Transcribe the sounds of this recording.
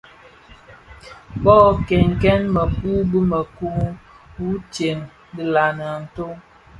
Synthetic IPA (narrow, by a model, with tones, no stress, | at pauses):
bɔ˦ke˨ŋ˨kɛ˦nmə˨ku˦bə˦mə˨ku˦ | wu˦t͡ʃe˨n | di˦la˨nə˨n̩˨to˦